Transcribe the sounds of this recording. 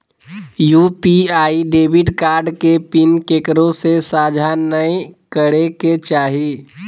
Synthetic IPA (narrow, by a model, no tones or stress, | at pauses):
jupiaːiɖeːbʱiʈkaːɾɖkepinkekɾõsesaːd͡ʒʱanəikəɾeket͡ʃaːɦi